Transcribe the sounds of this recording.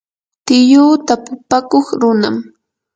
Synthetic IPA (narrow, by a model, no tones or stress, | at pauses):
t̪ɪjuːt̪apʊpakoχɾʊnam